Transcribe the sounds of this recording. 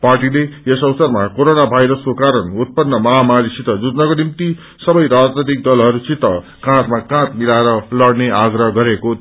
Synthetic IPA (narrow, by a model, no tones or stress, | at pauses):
parʈileʌsʌwsʌrmakoɾonabʱajɾʌskokaɾʌnut̪̚pʌnːʌmʌɦamaɾisit̪ʌd͡zud͡znʌkonimt̪i | sʌbʌjɾad͡znʌt̪̬ik̚d̪ʌlɦʌɾusit̪ʌ | kãt̪makãt̪milaeɾʌlʌɽneaɡɾʌɦʌɡʌɾeko